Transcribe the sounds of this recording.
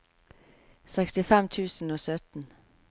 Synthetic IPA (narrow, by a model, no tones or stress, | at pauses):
sɛkst̪ɪfɛmt̪ʰʉːsn̩oːsœt̪n̩